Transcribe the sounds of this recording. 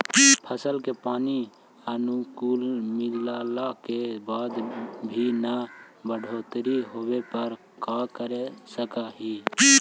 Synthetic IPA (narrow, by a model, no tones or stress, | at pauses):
pʰəsəlkepaːni | ənukulmɪllalakebaːd̪bʱinəbəɖʱoːt̪ɾiɦoːbepəɾ | kakəɾesəkaɦi